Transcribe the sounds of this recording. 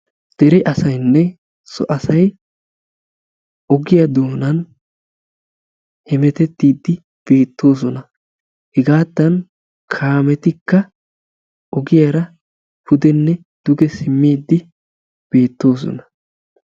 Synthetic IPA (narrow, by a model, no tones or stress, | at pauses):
d̪̥ɛɾɛʔɐsɐjnːɛ | sɔ̰ʔɐsɐj | ʔɔɡɪjɐd̪o̞ːnɐn | hɛmɛt̪ɛt̪ːiːd̪ːɪ | b̥e̞ːt̪ːo̞ːs̬ɔnɐ | hɪɡaːd̪ːɐn | kʰaːmɛt̪ɪkːɐ | ʔɔɡɪjaɾɐ | pʊd̪ɛnːɛ | d̪̥ʊɡɛsɪmːiːd̪ːɪ | b̥e̞ːt̪ːo̞ːs̬ɔ̰nɐ̥